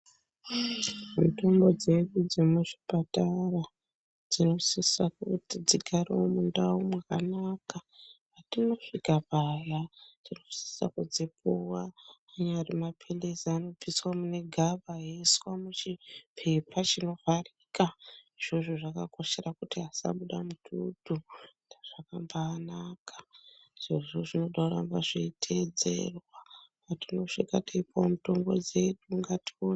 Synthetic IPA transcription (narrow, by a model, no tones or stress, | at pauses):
muto̞mbo̞d͡ze̞ɗud͡zemuʐipatara | d͡zino̞sisakutid͡ziɡʱariomundaumwaka̰nakapatino̞fikapajatino̞si̥sa̰kud͡zipuwaː | ɲarimapʰe̞le̞zano̞piswamune̞ɡʱaɓaɦeswamut͡ʃipʰe̞pʰat͡ʃino̞farika | ʐ̥oʐoʐakako̞ʃerakutiasa̰ɓuɗamutʰutu | daʐ̥akambaːnakʰḁ | ʐ̥eʐoʐino̞ɗakurambaʐitʰed͡zḛrwapatino̞ʂikataipwamuto̞mɡo̞̰d͡ze̞ɗuŋɡation